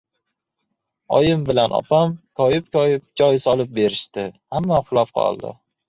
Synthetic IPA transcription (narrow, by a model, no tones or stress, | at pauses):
ɒjɪmbɪlanʔɒ̰pʰamkʰɒjɪpkʰɒjɪp̚d͡ʒɒjsɒlˠɪp̚be̞ɾɪʃt̪ɪhamːaχʊlˠafqʰɒ̰lˠd̪ɪ̰